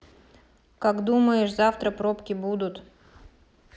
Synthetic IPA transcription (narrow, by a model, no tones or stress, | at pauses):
kakd̪uməjɪʂzaft̪ɾəpɾopkʲɪbud̪ʊt̪